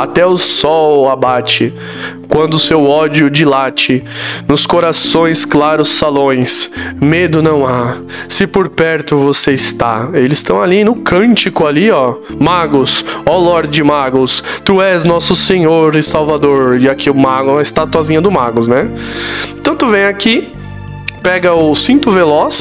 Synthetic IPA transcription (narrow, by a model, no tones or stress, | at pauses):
at̪ɛʊsɔwabat͡ʃɪ | kwɐ̃nd̪ʊsewɔd͡ʒjʊd͡ʒilat͡ʃɪnʊskoɾasõj̃sklaɾʊsːalõj̃smed̪ʊnɐ̃w̃a | sɪpoɾpɛɾt̪ʊvoseɪst̪a̰elɪz̥st̪ɐ̃w̃alinʊkɐ̃t͡ʃɪkʊaliɔmaɡʊsɔlɔɾd͡ʒɪmaɡʊst̪uɛznɔsʊsẽɲoɾɪsawvad̪oɾɪakiʊmaɡʊɐɪst̪at̪uazĩɲɐd̪ʊmaɡʊsnɛ | t̪ɐ̃w̃t̪uvẽj̃aki | pɛɡɐʊsĩnt̪ʊvelɔs